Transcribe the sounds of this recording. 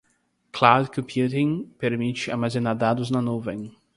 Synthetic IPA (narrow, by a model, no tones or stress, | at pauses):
klawd̪kõmpjut̪ĩŋpeɾmit͡ʃɪa̰ɾmazẽnaɾd̪ad̪ʊznɐnuvẽŋ